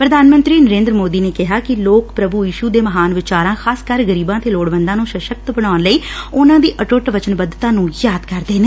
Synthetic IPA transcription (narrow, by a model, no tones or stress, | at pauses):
pɾəd̪ʱaːnmə̃nt̪ɾiːnəɾẽːnd̪ɾəmoːd̪iːneːkɪɦaːkɪloːkpɾəbujiːʃuːd̪eːməɦaːnʋɪt͡ʃaːɾãːxaːskəɾɡəɾiːbãːt̪ʰeːloːɽʋə̃nd̪ãːnũːʃəʃək̚t̪bəɽ̃aːnləiːʊnãːd̪iːʔəʈʊʈʋət͡ʃənbəd̪t̪ãːnũːjaːd̪kəɾd̪eːneː